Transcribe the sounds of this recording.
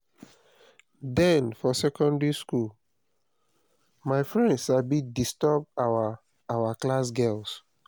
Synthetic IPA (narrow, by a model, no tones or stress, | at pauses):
dɛ̃nfɔsɛkɔ̃ndɹiskul | maɪfɹɛ̃ndsʃabidistɔb̚aa | awaklasɡɛls